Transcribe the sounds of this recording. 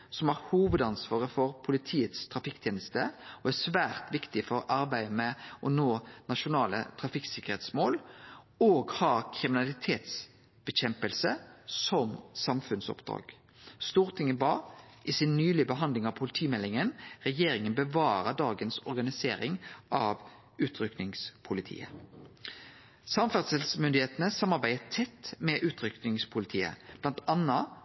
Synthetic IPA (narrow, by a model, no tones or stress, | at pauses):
sɔmæːʁhuːʋəd̪ɑnsʋɑːʁəfɔʁpʰʊlɪt̪ʰiːət̪st̪ʰʁɑfɪkt̪ʰjeːnəst̪əɔæsʋæːʁt̪ʋɪkt̪ɪfɔɾɑɾbæɪmɛʔɔnoːnɑʃʊnɑːlə̰t̪ʰʁɑfɪksɪkəʁeːt̪smoːl | oːɡhɑɾkʰɾɪmɪnɑlɪt̪ʰeːt̪s | b̥ɛɕɛmpəlsəsɔmsɑmfʉnsɔ̰pd̪ʁɑ̰ːɡ̥ | st̪uːʁt̪ʰɪŋːənbɑː | ʔɪsɪnːyːlɪəbəɦɑnd̪lɪŋɑʋpʰʊlɪt̪ʰiːmɛlːɪŋənʁɛjeːɾɪŋənbəʋɑːɾəd̪ɑːɡənsɔʁɡɑnɪseːɾɪŋʔɑʋ | ʉːt̪ʰɾʏknɪŋspʰʊlɪt̪ʰḭːə̰ | sɑmfæʁt̪səlsmʏnd̪ɪheːt̪ənəsɑmːɑʁbæɪət̪ʰɛt̪ːmɛʔʉːt̪ʰɾʏknɪŋspʰʊlɪt̪ʰiːə̰b̥lɑnt̪ɑnːɑ